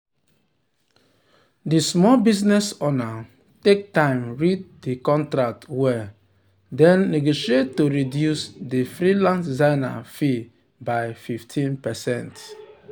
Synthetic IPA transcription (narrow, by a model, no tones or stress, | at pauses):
dismɔlbiznɛsɔna | tek̚tãɪ̃mɹit̚dikɔ̃ntɾak̚twɛ | dɛ̃nːeɡoʃiet̚toɾidjusdifɾilãnszaɪna̰fi | baɪfiftʰĩnpɛsɛ̃nt